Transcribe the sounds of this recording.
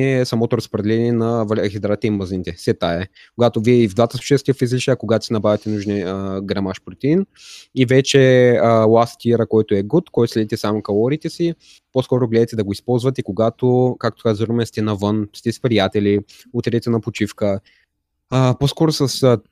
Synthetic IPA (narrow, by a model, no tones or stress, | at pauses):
ɛsɐmɔt̪oɾɐspɾɛd̪ɛlɛniɛnɐvxʲɛd̪ɾat̪ɛimɐzinit̪ɛsɛt̪aɛ | koɡat̪oviɛivd̪vat̪əslˠut͡ʃiəskʲiəfizliʃɐkoɡat̪osinɐbɾavʲɐt̪ɛnuʒnɛəɡɾɐmaʃpɾot̪ɛin | ivɛt͡ʃɛəlˠast̪iɾəkɔjt̪oɛɡut̪kɔjt̪oslʲɛd̪it̪ɛsamokɐlˠɔɾit̪ɛsi | poskɔɾoɡlɛd̪ət̪ɛd̪ɐɡoispɔlˠzvɐt̪ɛikoɡat̪okak̚t̪o̥kazzɾumɛst̪ɛnɐvənst̪ɛspɾijat̪ɛli | ot̪ɛɾɛt̪ɛnɐpot͡ʃifkə | əposkɔɾosəs